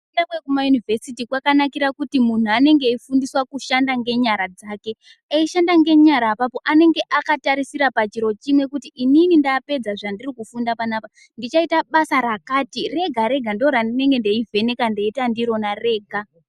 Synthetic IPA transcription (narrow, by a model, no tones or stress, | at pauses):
endakwekumajunivʱesitikwakanakiɾakutimun̤uane̞ŋɡe̞ifundiswakuʃandaŋɡe̞ɲaɾad͡zaːke̞ | aiʃandaŋɡe̞ɲaɾaːpapo̞ʔane̞ŋɡe̞ʔakataɾisiɾapat͡ʃiɾo̞t͡ʃimwe̞kutiʔːninindaːpe̞d͡zaʐandirikufundapanapa | ndit͡ʃaitaɓasaɾakaːtire̞ɡʱaɾe̞ɡʱandoɾandine̞ŋɡe̞nde̞ivʱe̞ne̞kande̞itandiɾo̞nare̞ːɡʱa